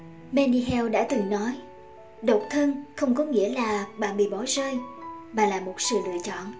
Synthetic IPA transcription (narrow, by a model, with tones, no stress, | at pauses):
mɛ˧ni˧ɦɛ˧wɗa̰ː˧˥t̪ɨ˨˩ŋnɔ˨˦j | ɗo˨˩k͡p̚t̪ʰə˧nxə˧wŋ͡mkɔ˨˦ŋḭ˧˥əlaː˨˩ɓa̰ː˧˨nɓḭ˧˨ɓɔ˨˩˦zəː˧jmaː˨˩laː˨˩mo˨˩t̚sɨ̰˧˨lɨ̰˧˨ət͡ɕɔ̰˧˨n